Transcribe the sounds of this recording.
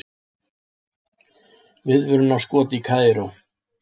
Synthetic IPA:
vɪðvʏɾʏnawskɔːt̪ikʰaːðɪɾow

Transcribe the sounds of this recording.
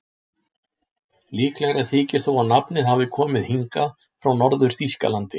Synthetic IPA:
liːklɛɣɾaθʰɪːcɪ̥θowaðnapnɪðɦavɪkʰɔːmɪðhiŋka | fɾawnɔɾðʏɾ̥θiska̰lant̪ɪ

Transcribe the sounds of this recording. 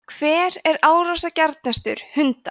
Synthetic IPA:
kʰv̥ɛːɾɛɾaːwɾawsacaɾt̪̚nɛst̪ʏ̰ɾ̥hʏnt̪a̰

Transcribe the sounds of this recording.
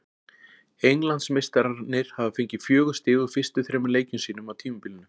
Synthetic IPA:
ejnlant̪smejst̪aɾaɾnːɪɾ̥havafeɲcɪfjœːɣʏst̪ɪːðʏfɪr̥st̪ʏθɾɛːmleːjcʏnsiːnʏmawt̪ʰiːmʏmpilnʏ

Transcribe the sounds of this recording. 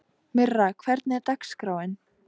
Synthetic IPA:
mʏrːakʰvɛɾt̪̚nɪɛɾt̪akskɾaːwɪn

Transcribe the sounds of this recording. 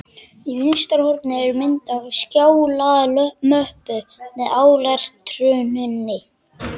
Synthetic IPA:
ivɪnst̪aɾhɔɾpnɪɛɾʏmɪnt̪avscjaːwlaðlœmœhpʏmɛðaːwlaɾ̥t̪ʰɾʏːnʏnːɪ

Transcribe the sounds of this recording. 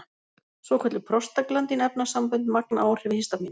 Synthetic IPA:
svɔkʰɛt̪lɪpʰɾɔst̪aklant̪inɛpnasampœnt̪mak̚naːwr̥ɪvhɪst̪ami

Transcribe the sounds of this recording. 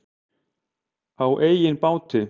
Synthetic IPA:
awʔeːjjɪnpawt̪ɪ

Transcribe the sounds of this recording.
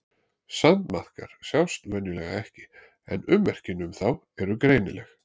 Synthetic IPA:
sant̪maθkaɾ̥sjawst̪vɛnjʏlɛɣa̰ɛhcɪ̥ | ɛ̰nʏmːɛr̥cɪnʏmθaw | ɛɾʏkɾeːjnɪlɛx

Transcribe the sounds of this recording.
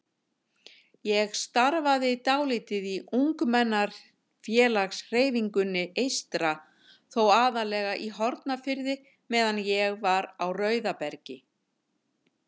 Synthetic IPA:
jɛɣst̪aɾvaðɪt̪aːwlɪt̪ɪðiʔuŋkmɛnːaɾ̥ | fjɛːlaxsr̥eːjviŋkʏnːɪejst̪ɾa | θowaːðalɛːɣaʔiɦɔɾt̪nafɪɾðɪ | mɛːðanjɛɣvaɾawrœɥðapɛɾcɪ

